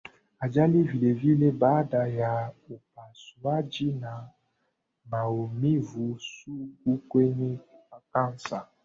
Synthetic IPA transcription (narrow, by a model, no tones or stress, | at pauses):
ad͡ʒalivilevilebadajaopasuad͡ʒina | maomĩvusukukweɲefakansa